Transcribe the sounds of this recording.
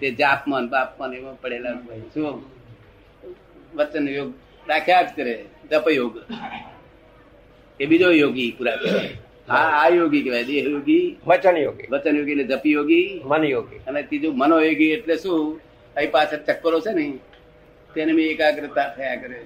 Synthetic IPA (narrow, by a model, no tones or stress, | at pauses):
t̪ed͡ʒaːpmənbaːpmənemãpəɽelabajsũ | ʋət͡ʃənjoːɡ | ɗakʰjad͡ʒkəɾed͡ʒəpjoɡ | eɓid͡ʒojoːɡipuɾakəɾḛ | aajoːɡikeʋajɗ̪eɦjoɡiʋət͡ʃənjoːɡḭʋət͡ʃənjoːɡied͡ʒəpijoɡimənjoːɡḭənet̪id͡ʒumənojoːɡieʈlesũ | əipat͡ʃʰət͡ʃəkːəɾot͡ʃʰenəĩ | t̪enemiekaɡɾət̪at̪ʰəjakəɾe